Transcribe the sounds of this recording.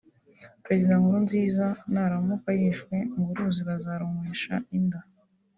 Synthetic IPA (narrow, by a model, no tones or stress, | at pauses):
pɾe̞zidaŋuɾunziːzanaɾamukajiʃwe̞mbuɾuːziβazaɾumeʃa̰inda